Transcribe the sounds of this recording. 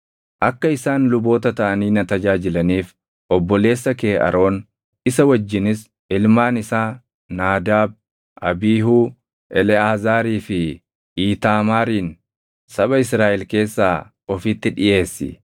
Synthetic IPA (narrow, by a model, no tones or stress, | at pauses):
ʔɐkːɐɪsaːnlʊbo̞ːt̪ɐt̪ɐʔɐniːnɐt̪ɐd͡ʒaːd͡ʒɪlɐniːf | ʔɔbːɔle̞ːsːɐkeːʔɐ̰ɾʔo̞ːn | ɪsɐwɐd͡ʒːɪnɪs | ɪlmaːnɪsaː | naːd̪aːb̚ | ʔɐbiːɦuː | ʔɛlɛaːzaːɾiːfɪ | iːt̪aːmaːɾiːn | sɐɓɐɪsɾaːʔɛlke̞ːsːaː | ɔfit̪ːɪᶑɪjʔe̞ːsːɪ̰